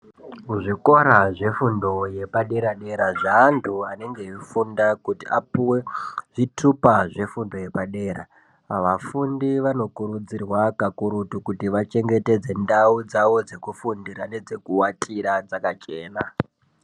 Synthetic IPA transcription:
uʐiko̞ɾaʐe̞fundo̞je̞paɗe̞ɾaɗe̞ɾaʐaːntʰuane̞ŋɡe̞ifundakutiapuweʐitʰupaʐe̞fundo̞je̞paɗe̞ːɾa̰ | aʋafundiʋano̞kuɾud͡zirwakakuɾutukutiʋat͡ʃe̞ŋɡe̞te̞d͡ze̞ndaud͡zao̞d͡ze̞kufundiɾane̞d͡ze̞kuwatʰiɾad͡zakat͡ʃe̞ːna

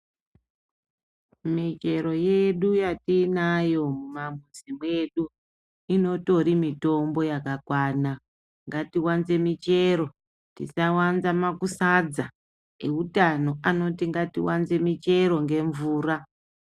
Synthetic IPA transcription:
mit͡ʃe̞ɾo̞je̞ɗujatinajo̞mumamuzimwe̞ɗu | ino̞to̞ɾimito̞mbo̞jakakwaːna | ŋɡatiwanze̞mit͡ʃe̞ɾo | tḭsawanzamakusad͡za | eutano̞ʔano̞tiŋɡatḭwanze̞mit͡ʃe̞ɾo̞ŋɡe̞ɱvuːra

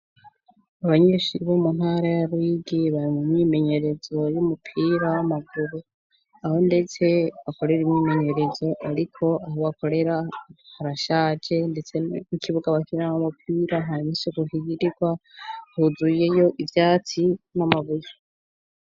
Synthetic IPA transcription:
aβaɲiːʃiβomun̥haɾajaɾwiɡiβaɾimumɲiːme̞ɲe̞ɾe̞zo̞jumupʰiːɾawamaɡuɾu | aho̞nde̞t͡se̞βako̞ɾe̞ɾimɲiːme̞ɲe̞ɾe̞zo̞ʔaɾikʰo̞ʔaɦoβako̞ɾe̞ɾahaɾaʃad͡ʒe̞nde̞t͡se̞mukʰiβuɡaβakiɾaaomupʰiːɾaɦaɾiɲisikuhiɡiɾiɡwahuzuje̞jo̞ʔivjaːt͡sinamaβuja

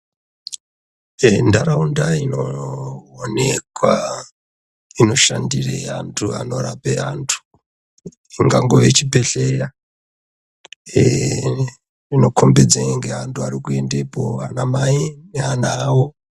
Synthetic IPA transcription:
endaɾaundaino | one̞kwa | ino̞ʃandireantʰua̰no̞rapeantʰu̥ | iŋɡaŋɡo̞ʋet͡ʃipe̞ɬeja | rino̞kʰo̞mbe̞d͡zeŋɡe̞antʰuaɾikue̞ndepoanamaine̞anawo

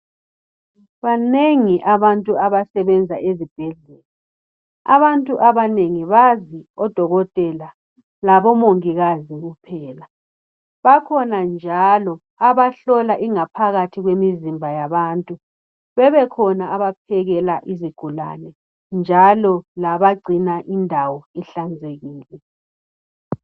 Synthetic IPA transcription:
βaneŋiʔaβantʼuaβasɛβɛnd͡zʱaʔezib̥ʱɛɮɛːla | a̰βantʼuʔaβaneŋiβaziɔd̥ʱɔɣɔtʼɛla | laβɔmoŋiɣaziɣupʰɛːla | βakʰɔnand͡ʒʱalɔ | aβaɬɔlaʔiŋapʰaɣatʰiɣwemizimbʱajaβantʼu | βɛβɛkʰɔnaːβapʰɛɣɛlaʔiziɡ̥ʱula̰nɛ | nd͡ʒʱalɔlaβaɡ͡ǀʱinaʔindʱawɔɛɬand͡zʱeɣiːlɛ

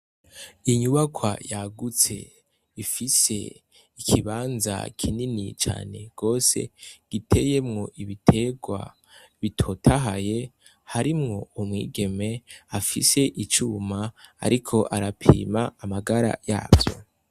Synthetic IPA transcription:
iɲuβakʰwa̰jaɡut͡se̞̰ | ifise̞̰ | ikʰiβaːnza̰kʰininit͡ʃa̰ːne̞ɡ̥o̞ːse̞̰ɡ̥itʰe̞je̞mŋo̞ʔiβitʰe̞ɡwa̰ | βitʰo̞tʰaɦaje̞ | haɾimŋo̞umŋiːɡe̞me̞afise̞ʔit͡ʃuːmaa̰ɾikʰo̞ʔaɾapʰḭːmaːmaɡaɾa̰ja̰ːbjo̞̰

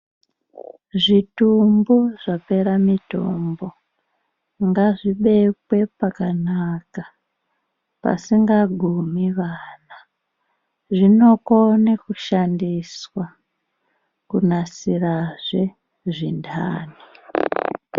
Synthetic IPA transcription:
ʐitumbuʐape̞ɾamito̞̰mbo̞ | ŋɡaʐiɓe̞pwe̞pakanaka | pa̰siŋɡaɡʱumiʋaːna | ʐino̞konekuʃandiswa | kunasiraʐe̞ | ʐindaːni

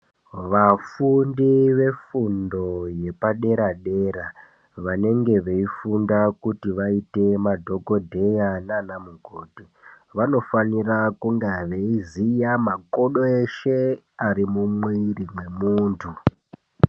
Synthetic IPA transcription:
ʋafundiʋe̞fundo̞je̞paɗe̞ɾaɗe̞ɾa | ʋane̞ŋɡe̞ʋe̞ifundakutiʋaite̞madʱo̞ko̞dʱe̞jananamuɡʱoːti | ʋano̞fanirakuŋɡaʋeizijamakoɗoeʃe̞aɾimumwirimwe̞muːntʰu

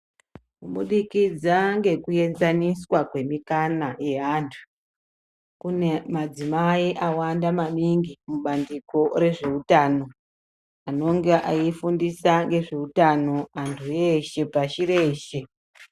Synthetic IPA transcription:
kuɓuɗikid͡zaŋɡe̞kuje̞nzaniswakwe̞mikanaje̞ɦantʰu̥ | kunemad͡zimaiʔawandamaɗiŋɡimuɓandiko̞ɾe̞ʐe̞utaːno̞ | ano̞ŋɡe̞ʔaifundisaŋɡe̞ʐe̞utano̞antʰujeʃe̞paʃiɾe̞ːʃe̞

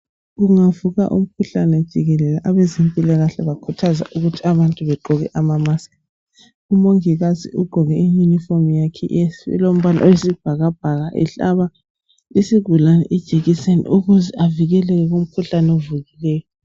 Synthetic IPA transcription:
ɣuŋavuɣa̰ʔṵm̩kʰuɬanɛd̥ʒ̥ʱiɣɛlɛlaʔaβɛzempʼilaɣaɬɛβakʰutʰaza̰ʔuɣutʰiaβantʼuβɛǃɔɣɛ̰ʔamamasḁ | umoŋiɣazḭuɡ͡ǃʱɔɣɛijunifomjakʰḭʔsɛ̰lom̩βala̰owesib̥ʱaɣab̥ʱaɣaʔɛ̰ɬa̰βa | isiɡʱulanɛ̰ʔid̥ʒ̥ʱeɣisenḭuɣuzɛʔaviɣɛlɛɣɛɣum̩kʰuɬanovuɣilɛːjɔ

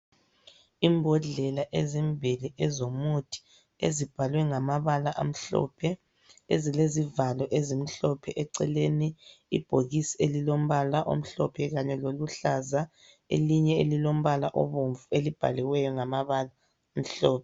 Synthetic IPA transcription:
imbʱɔɮɛlaʔezimbʱiliʔɛzomutʰi̥ | ḛzib̥ʱalwɛŋamaβalaʔa̰m̩ɬɔ̰pʰɛ | ezilezivalɔʔezim̩ɬɔpʰɛʔɛǀɛleniḭb̥ʱoɣisielilom̩βalaʔo̰m̩ɬɔpʰɛɣaɲɛloluɬaza | ḛliɲɛelilom̩βalaʔɔ̰βoɱvuelib̥ʱa̰liwɛjɔŋamaβala | m̩ɬɔːp̚ʰɛ

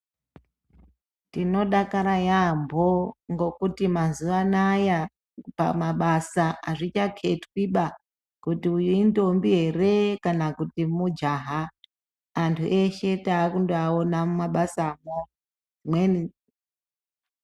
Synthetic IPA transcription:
tino̞ɗakaɾajambʱoŋɡo̞kutimazuʋanaja | pa̰maɓasaʔaʐit͡ʃakʰe̞twiɓa | kutiujinto̞mbiɦe̞re̞kanakutimud͡ʒaːɦa | antʰṵʔe̞ʃe̞taːkundoaonamaɓasamo | imweni

